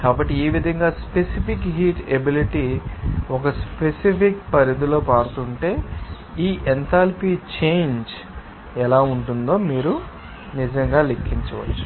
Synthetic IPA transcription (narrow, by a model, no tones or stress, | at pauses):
kaːbɐʈːieːʋid̪ʱɐŋɡaːspesipʰikɦiːʈebiliʈiːɔkɐspesipʰik̚pɐɾid̪ulo̞ːpaːɽut̪uɳʈe̞ː | iːʔent̪aːlpiːt͡ʃejɲd͡ʒ | ɛlaːuɳʈund̪o̞ːmiːɾu | nid͡ʒɐŋɡaːlekʰːiɲt͡ʃɐʋɐ̰t͡ʃːu̥